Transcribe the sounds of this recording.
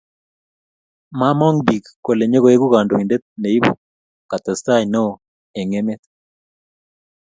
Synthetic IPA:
ma˦mɔ˦ŋbi˨kkːo˨le˨ɲe˦ɣo˨e˦ɡu˦ka˨ndo˨i˨nde˦t̪̚ne˨i˦bṵ˨ | ka˨t̪ɛ˨st̪a˦jno˦ | e˨ŋe˦me˦t̪

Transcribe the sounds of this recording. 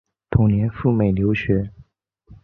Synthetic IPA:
t̪ʰʊ˧˥ŋnjɛ˧˥nfu˥˩me˨˩ɪljo˧˥ʊɕɥɛ˧˥

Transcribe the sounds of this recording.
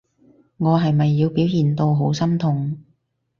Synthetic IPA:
ŋɔː˨˧ɦɐ˨jmɐ˨jːiː˨˧wpiː˨˥wjiː˨˩nt̪o˧wɦo˨˥wsɐ˥mt̪ʰʊ˨˩ŋ

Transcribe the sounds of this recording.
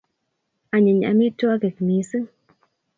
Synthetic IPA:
a˨ɲə˨ɲ˨a̰˨mi˦to˦a˦ke˨kni˨˦sɨ˦ŋ

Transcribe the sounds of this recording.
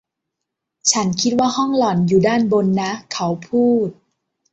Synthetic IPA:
t͡ɕʰa˦˥nkʰi˦˥t̪̚waː˥˩hɔ˥˩ŋlɔ˨˩njuː˨˩daː˥˩nbo˧nːa˦˥kʰa˦˥wpʰuː˥˩t̪̚

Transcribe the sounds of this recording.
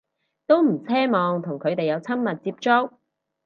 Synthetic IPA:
t̪o˥wm̩˨˩t͡sʰɛː˥mɔː˨˧ŋt̪ʰʊ˨˩ŋkʰɵ˨˧ɥt̪e˨jɐ˨˧wt͡sʰɐ˥mmɐ˨t̚t͡siː˧p̚t͡ʃʊ˥k̚

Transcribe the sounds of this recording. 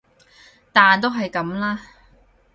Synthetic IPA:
t̪aː˨nt̪o˥wɦɐ˨jkɐ˨˥mlaː˥

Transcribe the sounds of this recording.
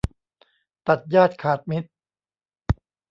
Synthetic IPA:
t̪a˨˩t̪̚jaː˥˩t̪̚kʰaː˨˩t̪̚mi˦˥t̪̚

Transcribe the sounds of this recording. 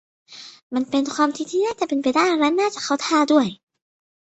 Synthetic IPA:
ma˧˥˩npe˧nkʰwaː˧mt̪ʰi˧t̪ʰiː˥˩naː˥˩t͡ɕa˧˩ʔpe˧npa˧jdaː˥˩jɾɛ˦˥naː˥˩t͡ɕa˨˧˩kʰa˧˥˩wt̪ʰaː˧du˥˩əj

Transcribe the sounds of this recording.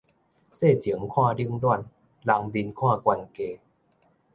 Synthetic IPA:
seː˥˩t͡ɕʰi˨˩˦əŋkʰɔː˥˩dɯ˧˥ŋdu˥˩ən | la˧˩ŋbi˧nkʰɔː˥˩kwɛ˧ŋkeː˧

